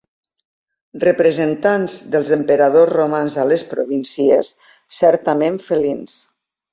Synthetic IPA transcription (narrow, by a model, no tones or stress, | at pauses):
rəpɾəzənt̪anzðəlˠzəmpəɾaðozromanzaləspɾoβinsiḛsː | ɛɾt̪əmeɱfəlins